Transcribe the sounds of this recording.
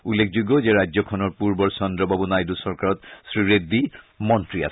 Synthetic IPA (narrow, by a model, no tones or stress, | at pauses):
ulːekʰzuɡɔzeɹajzɔkʰɔnɔɹpuɹbɔɹsɔndɹɔbabunajdusɔɹkaɹɔtsɹiɹedːi | mɔntɹia̰s